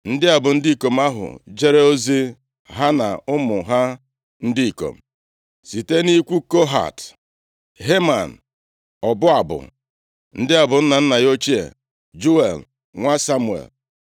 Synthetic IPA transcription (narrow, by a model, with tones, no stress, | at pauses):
n̩˦dɪ˦a˨bʊ˨n̩˦dɪ˦i˨ko˨m̩˦a˦ɦʊ̰˨d͡ʒe˦ɾe˦o˦zi˦ | ɦa˦na̰˨ʊ˦mʊ˨ɦa˦ | n̩˦dɪ˦i˨ko̰˨m̩˨ | si˨te˦ni˦kʷu˦ko˦ɦa̰˨t | ɦe˦ma̰˨n̩˨ | ɔ˨bʊ˦a˨bʊ̰˨ | n̩˦dɪ˦a˨bʊ˨n̩˦na˨n̩˦na˨jo˦t͡ʃi˦ḛ˨ | d͡ʒu˦ḛ˨l | ŋʷa˦sa˦mʊ˦˨ḛ˨l